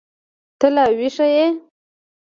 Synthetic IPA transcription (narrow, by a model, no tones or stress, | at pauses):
t̪əlawiʂaje